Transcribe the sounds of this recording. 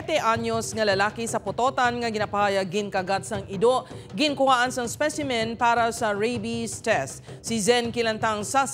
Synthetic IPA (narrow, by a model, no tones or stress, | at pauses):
t̪ɛʔaɲosŋɐlɐlaːkisɐpʊt̪oːt̪ɐnŋɐɡɪnapɐajɐɡɪnkɐɡat̪̚sɐŋɪd̪oʔɡɪŋkʊhaːʔɐnsɐŋspɛsɪmɛnpaːɾɐsɐɹebist̪ɛst̪sizɛnkɪlɐnt̪aŋsa